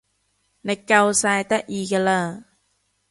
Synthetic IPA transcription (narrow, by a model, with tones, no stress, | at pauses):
na˧ka˧wsaː˧jt̪a˦˥ʔi˧kə˧la˧˩